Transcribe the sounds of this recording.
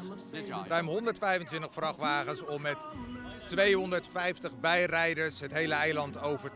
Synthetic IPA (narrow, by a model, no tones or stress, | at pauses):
rœɥmɦɔndəɹtfɛjvəntʋɪntəχfrɑχʋaːχənsɔmːɛtː | ʋejɦɔndəɹtfɛjftəχbɛjrɛjdəɹsɦətɦejləɛjlɑntowvəɹ